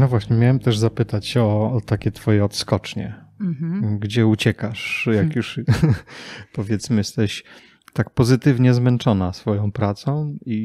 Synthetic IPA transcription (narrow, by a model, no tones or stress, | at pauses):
nɔvwaɕɲɛmʲjawɛmt̪ɛʐzapɘt̪at͡ɕɔːt̪akʲɛt̪fɔjɛɔt̪skɔt͡ʂɲɛ̰ | ɡd͡ʑɛut͡ɕɛkaʂjakjuʂ | pɔvʲjɛt̪smɘjɛst̪ɛɕ | t̪ak̚pɔzɘt̪ɘvɲɛzmɛnt͡ʂɔnasfɔjɔ̃w̃pɾat̪sɔ̃w̃i